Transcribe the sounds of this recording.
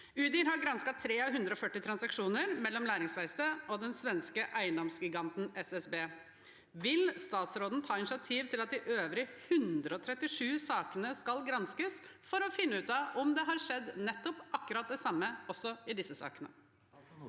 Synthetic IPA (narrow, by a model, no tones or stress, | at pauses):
ʉːd̪ɪhɑɾɡɾɑnskɑt̪ʰɾeːɑɦʉnd̪ɾəɔfœʈːɪt̪ʰɾɑnsɑkʂuːnəɾmɛlːɔmlæːɾɪŋsʋæɪst̪əɔd̪ɛnsʋɛnskəʔæɪənd̪ɔmsɡɪɡɑnt̪n̩ɛsɛsbeː | ʋɪlst̪ɑːt̪sɾoːd̪n̩t̪ʰɑːɪnɪʂɪɑt̪ʰiːʋt̪ʰɪlɑt̪̚d̪ɪʔøːʋɾɪhʉnd̪ɾəɔt̪ʰɾɛt̪ːɪʂʉːsɑːkənəskɑlɡɾɑnskəs | fɔɾɔfɪnːəʉːt̪ɑʔɔmd̪ɛɦɑɾʂɛd̪ːnɛt̪ːɔpʔɑkːʉɾɑt̪̚d̪ɛsɑmːəɔsːɔɪd̪ɪsːəsɑ̰ːkənə̰